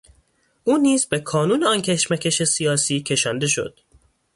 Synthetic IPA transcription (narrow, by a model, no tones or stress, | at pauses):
ʔuːniːzbe̞kʰɒːnuːneɒncʰe̞ʃmæcʰe̞ʃe̞sijɒːsiːcʰe̞ʃɒːnd̪e̞ʃo̞̰d̪̥